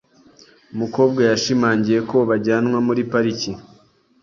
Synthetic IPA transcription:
umuko̞ːb̚ɡajaʃimaːɲɟije̞ko̞βaɟaːnŋwamuɾipaɾici

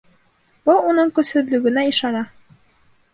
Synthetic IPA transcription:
b̥ɤlˠunɤɴkɵ̆shɵ̆ðlɵ̆ɡɘ̆næiʃɑnɑ

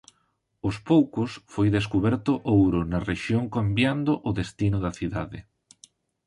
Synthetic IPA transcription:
ʊspowkʊsfojðeskuβɛɾt̪ʊʔowɾʊnɐreʃjoŋkambjand̪ʊʔʊðest̪inʊðɐθiðaðɪ

